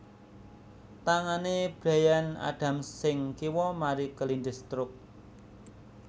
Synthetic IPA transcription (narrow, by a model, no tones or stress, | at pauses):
t̪aŋaneb̥ɾa̤jana̰ɖ̥a̤msɪŋkiwɔmaɾikəlind̪ə̤st̪ɾʊk̚